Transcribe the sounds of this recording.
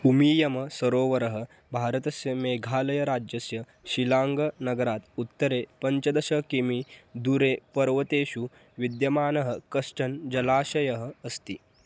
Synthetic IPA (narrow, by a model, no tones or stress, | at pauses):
umiːjɐmɐsɐɾoːʋɐɾɐɦə | bʱaːɾɐt̪ɐsjɐmeːɡʱaːlɐjɐɾaːd͡ʒjɐsjɐ | ɕilaːŋɡɐnɐɡɐɾaːt̪ut̪ːɐɾepɐɲt͡ʃɐd̪ɐɕɐkimid̪uɾepɐɾʋɐt̪eːɕu | ʋid̪jɐmaːnɐɦəkɐʂʈɐnd͡ʒɐlaːɕɐjɐɦəːst̪i